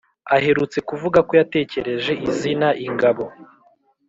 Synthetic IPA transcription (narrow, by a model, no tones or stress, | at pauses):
ahe̞ɾut͡se̞kuvuɡako̞jate̞ːce̞ɾe̞ʒe̞ʔizinaʔiŋɡaβo̞